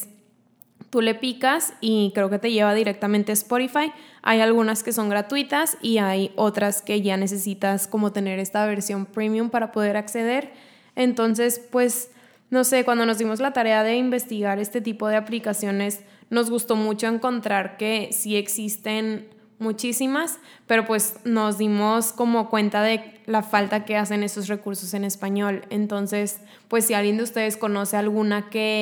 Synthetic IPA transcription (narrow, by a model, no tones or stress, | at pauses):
t̪ule̞pikasikɾe̞o̞ke̞t̪e̞ʝe̞βaðiɾe̞k̚t̪amẽnt̪e̞spo̞ɾifaja̰jalɣunaske̞so̞ŋɡɾat̪wit̪asiajo̞t̪ɾaske̞ʝane̞s̬e̞sit̪asko̞mo̞t̪e̞ne̞ɾe̞st̪aβe̞ɾsjo̞mpɾimjumpaɾapo̞ð̞e̞ɾakse̞ð̞e̞ɾ | e̞nt̪o̞ns̬e̞spwe̞s | no̞se̞kwand̪o̞nozðimo̞zlat̪aɾe̞aðe̞imbe̞st̪iɣaɾe̞st̪e̞t̪ipo̞ð̞e̞aplikasjo̞ne̞s | no̞zɣust̪o̞mut͡ʃo̞e̞ŋko̞nt̪ɾaɾke̞sie̞ksist̪e̞n | mut͡ʃisimas | pe̞ɾo̞pwesno̞zðimo̞sko̞mo̞kwe̞nt̪aðe̞lafalt̪ake̞as̬e̞ne̞st̪o̞sre̞kuɾso̞se̞ne̞spaɲo̞le̞nt̪o̞nse̞s | pwe̞sːialɣjend̪ust̪e̞ðe̞sko̞no̞se̞alɣunake̞